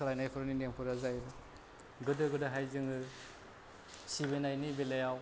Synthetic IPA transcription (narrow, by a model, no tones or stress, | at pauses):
alajnajpʰɔɾɯninempʰɯɾazajɾɯ | ɡɯdɯɡɯdɯɦajzɯŋɯ | sibenajnibelajaw